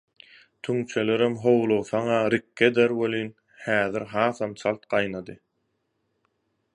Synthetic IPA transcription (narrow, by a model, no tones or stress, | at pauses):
t̪ʰyŋt͡ʃʰeleɾemɦowlˠowθɑŋɑɾikːed̪eɾwølyːn | hæːðiɾɦɑːθɑmt͡sʰɑlˠt̪̚qɑjnɑd̪ɯ